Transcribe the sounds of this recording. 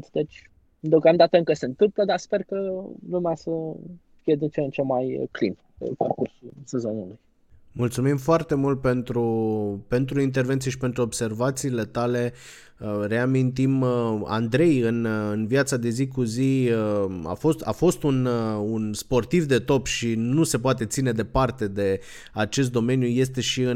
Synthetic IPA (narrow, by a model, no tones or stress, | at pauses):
t̪d̪et͡ʃ̪ʲ | d̪eokamd̪at̪əɨŋkəse̞nt̪ɨmpləd̪aspe̞rkəlumeasə | fijed̪int͡ʃent͡ʃe̞mːajklḭm | pḛparkursulse̞zo̞neluj | mult̪sumimfoart̪e̞mult̪̚pe̞nt̪ɾupe̞nt̪ɾuint̪e̞rvent̪sijeʃipe̞nt̪ɾuobse̞rvat̪siːle̞t̪ale̞ | re̞amint̪̬ima̰nd̪ɾe̞jɨnɨnvjat̪sad̪e̞zikuziəa̰fo̞st̪a̰fo̞st̪ununspo̞rt̪ivd̪e̞t̪o̞pʃinuse̞poat̪e̞t̪sine̞d̪e̞part̪e̞d̪e̞ | at͡ʃe̞s̬t̪̚d̪o̞me̞njuje̞st̪e̞ʃiɨ